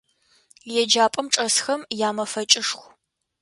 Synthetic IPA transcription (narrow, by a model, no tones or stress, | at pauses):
ljɛd͡ʒaːpʼɐmʈ͡ʂʼɐsxɐmjaːmɐfɐt͡ʃʼɪʂxʷ